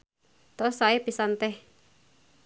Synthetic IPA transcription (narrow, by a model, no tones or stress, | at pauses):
t̪ɔsaepisant̪ɛh